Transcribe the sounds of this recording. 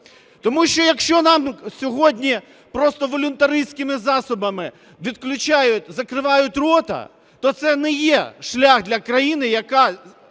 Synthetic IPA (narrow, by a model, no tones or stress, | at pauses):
t̪ɔmuʃt͡ʃɔjɐkʃt͡ʃɔnɑmsʲɔɦɔdʲnʲi | pɾɔst̪ɔʋɔlʲʊnt̪ɐɾɪjsʲkɪmɪzɑsʊbɐmɪ | ʋʲid̪klʲʊt͡ʃajʊtʲzɐkɾɪʋɑjʊtʲrɔt̪ɐ̰ | t̪ɔt̪sɛnɛjɛʃlʲaɣd̪lʲɐkɾɐjinɪjɐkɑ